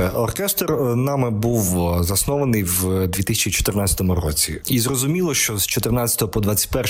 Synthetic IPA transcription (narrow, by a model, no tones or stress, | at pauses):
ɔrkɛst̪rnɑmɪbuwzɐsnɔʋɐnɪjwd̪ʲʋʲit̪isʲt͡ʃit͡ʃɔ̥t̪ɪrnat͡sʲɐ̥t̪ɔmʊɾɔ̰t͡sʲḭizrɔzʊmʲilˠɔʃt͡ʃɔzt͡ʃɔt̪ɪrnat͡sʲɐ̥t̪ɔɦɔpɔd̪ʋat͡sʲːɐ̥tʲpɛr